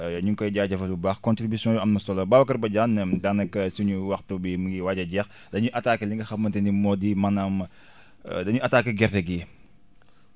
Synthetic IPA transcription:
ɲuŋkɔjɟaːɟɐfɐubaːxkɔ̃ntɾibisjɔ̃juɐmnɐsɔlɐbaːwɐkɐɾbɐɟaːndanɐkːɐsuɲuwɐxtubimuɡiwaɟɐɟɛx | dɐɲuʔɐtaːkːəliŋɡɐxɐmːɐntɛnimɔdimɐnam | dɐɲuʔɐtaːkːəɡɛrtɛɡi

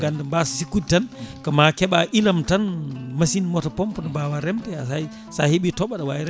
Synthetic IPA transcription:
ɡandambassikːud̚tankɔmakɛɓaʔilamtanmasinmɔtapɔmpɔnɔbawaɾɛmtɛja | sahiɓitɔɓaɗawaɾ

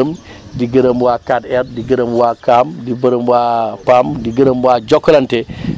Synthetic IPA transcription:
əm | diɡəɾəmwaːkatɛɾdiɡɐɾəmwakamdibɐɾəmwapamdiɡəɾəmwad͡ʒɔkːlɐntɛ

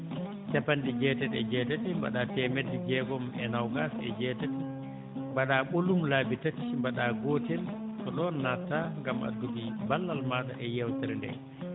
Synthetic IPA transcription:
t͡ʃapanɗid͡ʒɛːtɛtɛ̰d͡ʒɛːtatimba̰ɗaːtɛmɛdːid͡ʒɛɡɔmɛ̰nawɡasɛ̰d͡ʒɛtati | mbaɗaɓolumlaːbitati̥mbaɗaːɡoːtɛltɔɗɔnːatːaŋɡama̰dudibalːalmaːta̰ʔɛjɛwtɛɾɛndɛ̰

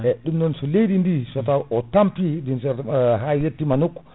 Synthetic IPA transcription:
ɛɗumnɔnsɔlejdindisɔtaʔɔtampidinsɛɾɦajjetːimanokːɔ

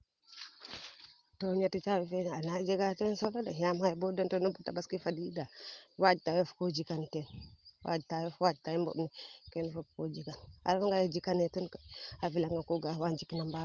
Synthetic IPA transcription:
toɲatit͡ʃawifenanad͡ʒeɡat͡ʃɔnsolodaɦiamhajibodentonobutabaskifadidawad͡ʒtajofkod͡ʒikantɛnwa̰d͡ʒtajofwad͡ʒtaimbo̰bnikɛnfop̚kod͡ʒikana̰ɾfaŋɡajad͡ʒikanetunkaafilaŋɡakoɡawand͡ʒikinamba

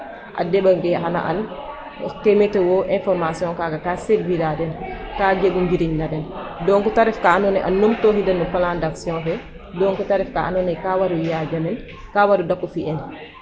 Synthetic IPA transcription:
ʔa̰dɛbaŋɡɛɦana̰ʔa̰n | ɔ̰kemɛtɛwɔʔɛ̃nfɔɾmasiɔ̃ŋkaːɡakaːsedviɾadɛnkaːd͡ʒebuɲɡiɾiɲnadɛndɔŋkutaɾɛfkaːnɔnɛʔa̰nːomtɔːɦidɛnːupalandaksiɔ̃nfɛ | dɔŋkutaɾɛfka̰ʔanɔnɛkawaɾujad͡ʒamɛn | kaːwaɾudakːufiʔɛn

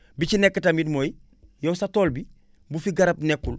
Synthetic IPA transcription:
bit͡ʃinekːətamidmoj | jowsatoːlbi | bufiɡaɾɐp̚nekːul

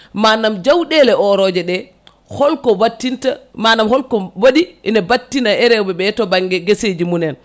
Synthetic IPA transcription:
manamd͡ʒawɗɛlɛɔɾɔd͡ʒɛɗɛ | hɔlkɔwatːintamanamhɔlkɔwaɗiʔɛnabatːinaʔɛɾɛwbɛbɛtɔbaŋɡɛɡesed͡ʒimunɛn

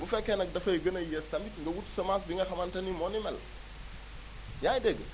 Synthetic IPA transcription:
bufɛkːɛnɐk̚dɐfɐjɡənɐjɛstɐmitŋɡɐwutsɐmas̬biŋɡɐxɐmɐntɐnimɔːnimɛl | jaːjdɛɡ

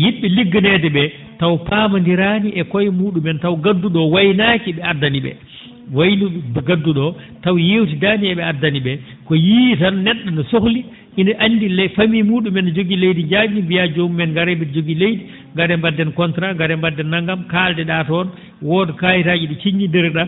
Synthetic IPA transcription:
jiɓːiliɡːinɛdɛɓɛ | tawpaːmandiɾaniʔɛkɔjmuːɗumɛntawɡadːuɗɔwajnaːkiɓɛadːaniɓɛ̰ | wajniɗuɡadːuɗɔ | tawjewt̬idaːniɛɓɛadːaniɓɛ | kɔjiːtannɛɗːɔnɔsohli | inaʔanːdilɛfamimuːɗumɛnd͡ʒoɡilejdid͡ʒamimbijad͡ʒomːɛnɡaɾɛbɛd͡ʒoɡilejdi | ŋɡaɾɛmbadːɛnkɔntɾaŋɡaɾɛmbadːɛnːaŋɡamkaːldɛɗaːtɔn | wɔdɛkajitad͡ʒiɗit͡ʃiɲːindɛɾɗa

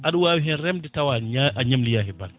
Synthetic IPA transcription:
ʔaɗuwaːwiɦɛnɾɛmdɛtawaʔaɲamlijaɦɛban

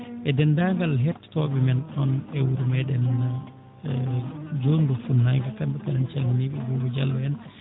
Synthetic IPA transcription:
ʔɛdɛndaŋɡalɦɛtːtɔɓɛmɛnɗɔnɛwuɾumɛɗɛnːa | d͡ʒondufunːajɡakambɛkaɗɛnt͡ʃaŋɡiniɓɛbɔbɔd͡ʒalːɔɛn

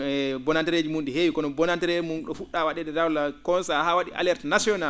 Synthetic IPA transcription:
ɛbɔnantiɾed͡ʒimunɗɛhewikɔnɔbɔnantiɾed͡ʒimunɗɔfuɗːawaɗɛɗɛdawlakɔnsahawaɗḭʔa̰lɛɾtnasiɔna

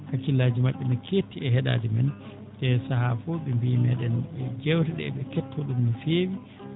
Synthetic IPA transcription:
hakilːaːd͡ʒimaɓːɛnakʰeːtːiɛɦɛɗa̰ːdimɛn | dɛsahafɔɓɛmbiːmɛːɗɛnɛd͡ʒɛwtɛɗɛ̰ɓɛkɛtʰːɔɗumnifeːwi

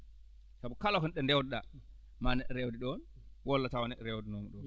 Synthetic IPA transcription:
sabukalaɦunɗɛndɛwdɗa | manɛɗɛɾɛwdiɗɔn | wɔlːatawanɛɗɛɾɛwdinomuɗɔn

